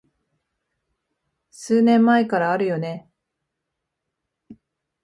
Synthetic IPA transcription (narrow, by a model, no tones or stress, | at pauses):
sɨːnẽ̞mːaekaɾaːɾɯ̟jo̞ne̞